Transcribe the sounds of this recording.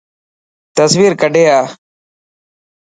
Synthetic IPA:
t̪əsʋiːɾkəɖʱeːaː

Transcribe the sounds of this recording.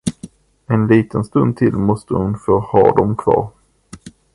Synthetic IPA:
ɛnliːt̪ʰənst̪ɵnd̪̚t̪ʰɪlmɔst̪ʰəhʊnfœɾhɑ̰ːɖɔmkʰvɑ̰ːɾ

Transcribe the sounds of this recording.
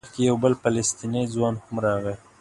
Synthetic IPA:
xkejawbəlpalest̪inizwɑnhamɾɑɣə

